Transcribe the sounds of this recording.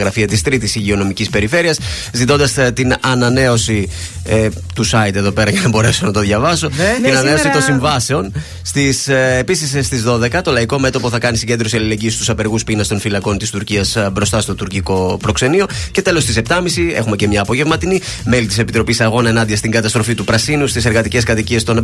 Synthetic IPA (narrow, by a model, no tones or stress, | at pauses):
ɣɾɐfiɐt̪ist̪ɾit̪isiʝio̞no̞micispe̞ɾife̞ɾiɐs | zit̪o̞nd̪ɐst̪inɐnɐne̞o̞si | t̪usɐjd̪e̞ðo̞pe̞ɾɐʝɐnɐbo̞ɾe̞so̞nɐt̪oðʝɐvɐso̞t̪inɐne̞o̞sit̪onsiɱvɐse̞o̞n | st̪isepisisst̪izðo̞ðe̞kɐt̪o̞lɐiko̞me̞t̪o̞po̞θɐkɐnisiɲɟe̞nd̪ɾo̞siɐlile̞ɲɟiest̪usɐpe̞ɾɣuspinɐst̪o̞nfilɐko̞nt̪ist̪uɾciɐsbɾo̞st̪ɐst̪o̞t̪uɾciko̞pɾo̞kse̞nio̞ce̞t̪e̞lo̞st̪isept̪ɐmisie̞̰xume̞ce̞mɲɐːpo̞ʝe̞vmɐt̪ini | me̞lit̪ise̞pit̪ɾo̞pisɐɣo̞nɐenɐnd̪iɐst̪iŋɡɐt̪ɐst̪ɾo̞fit̪upɾɐsinust̪ise̞ɾɣɐt̪ice̞skɐt̪icie̞st̪o̞n